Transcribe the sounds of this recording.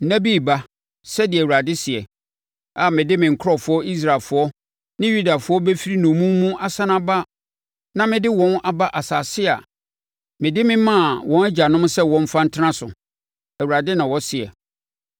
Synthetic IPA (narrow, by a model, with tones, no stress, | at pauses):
næ˦bi˦˨ba˦ | sɛ˦dɪ˨ɛ˨wu˨ɾa˨dɪ˦sɪ˨ɛ̰˨ | a˨mɪ̃˨dɪ˦mɪ̃˨ŋ̩˨kʰɾɔ˦fʊ˨˦ɔ˦i˦s̬ɾa˨lfʊ˨ɔ˦ | nɪ̃˦ju˦da˨fʊ˨˦ɔ˦be˦fi˦ɾi˦nʊ̃˨mũ˦mmũ˦a˦sã˦nã˦ba˦ | nã˦mɪ̃˦dɪ˦wɔ̃˦na˨ba˦ʔa˨saː˨sɪ˦a̰˨ | mɪ̃˨dɪ˦mɪ̃˦mã˦˨wɔ̃˦næ˦d͡ʑa˨nʊ̃˦msɛ˦wɔ̃˦m˦fã˦n̩˦tʰɪ˦nã˦sʊ̰˨ | æ˨wa˨dɪ˦nã˨wɔ˦sɪ˨ɛ̰˨